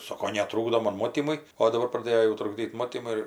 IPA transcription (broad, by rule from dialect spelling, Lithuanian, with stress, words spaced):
ˈsoːkoː nʲɛˈtruːɡdoː ˈmoːn ˈmoːtʲiːmʊɪ oː dɐˈbɐr prɐˈdʲeːjoː jɛʊ trʊɡˈdʲiːt ˈmoːtʲiːmʊɪ